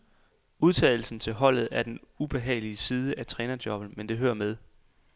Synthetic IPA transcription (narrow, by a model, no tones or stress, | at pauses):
uðˠt͡sʰɛ̰ːɪl̩sn̩t͡sʰe̝lɦɒ̽l̰ð̩ˠæɐd̥enub̥e̝ɦɛ̰ːɪliəsiːð̞ˠəʔæt͡sʰʁɛːnɐd̥jɒ̽b̥n̩mend̥e̝ɦøːɐmeð̞ˠ